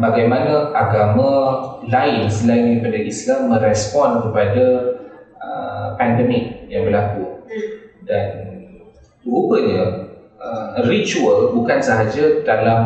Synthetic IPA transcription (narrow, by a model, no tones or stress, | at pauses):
baɡajmanãaɡamãlaɪnsəlaindaipadaʔislamːə̃ɾɛspɔnkəpada | əpandəmɪk̚jaŋbəlaku | dan | əubəɲã | ərit͡ʃuəlbukansəɦad͡ʒadalam